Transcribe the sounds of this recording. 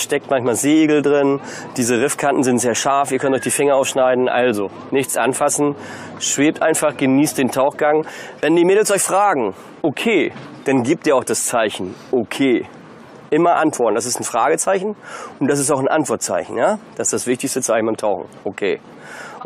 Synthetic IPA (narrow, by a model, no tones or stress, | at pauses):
ʃtɛk̚tmançmaːlzeːɡl̩dʁɪn | d̥iːzəʁɪfkʰantn̩zɪntz̥eːɐʃaɐfiːɐkʰœntʔɔçd̥iːfɪŋɐʔaʊfʃnaɪdn̩ʔa̰lzo | nɪçt͡sʔa̰nfasn̩ | ʃv̥eːp̚tʔaɪnfaχɡ̥əniːst̚d̥eːntʰaʊxɡ̥aŋvɛndiːmeːdl̩sʔɔʏçfʁ̥aːɡŋ̩ | ʔokʰeːd̥anɡiːp̚tiːɐaʊd̥ast͡saɪçn̩ʔokʰeː | ʔɪmɐʔantv̥ɔɐtn̩d̥asɪstn̩fʁ̥aːɡət͡saɪçn̩ʊnt̚d̥as̬ɪs̬taʊxn̩ʔa̰ntv̥ɔɐt̚t͡sa̰ɪçn̩jaːd̥asɪsd̥asvɪçtɪçstət͡saɪçn̩baɪmtʰaʊxŋ̩ʔokʰḛː